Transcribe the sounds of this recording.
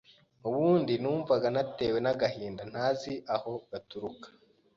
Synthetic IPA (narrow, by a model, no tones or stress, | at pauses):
uβuːndinuːɱvaɡanate̞ːwe̞naɡaɦiːndan̥haziʔaho̞ɡatuɾukḁ